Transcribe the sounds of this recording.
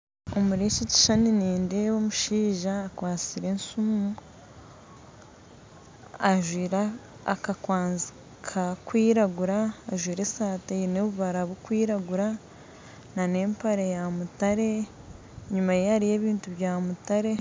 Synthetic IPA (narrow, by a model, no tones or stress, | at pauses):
omuɾeʃici̥ʃaniniːndewomuʃiːʒaːkwaːt͡siɾe̞nsumu | aʒwiːɾa | a̰kakwaːnzi | kʰakwiːɾaɡuɾaːʒwiːɾe̞saːtajineβuβaɾaβokwiːɾaɡuɾa | nane̞ːmpaɾejamutaɾe̞ | ɲumajehaɾije̞ːβiːntuβjaːmutaɾe̞